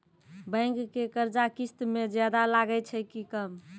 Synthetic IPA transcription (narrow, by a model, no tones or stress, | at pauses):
bə̃ɪŋkːekəɾd͡ʒakist̪med͡ʒjad̪alaɡət͡ʃʰɛkikəm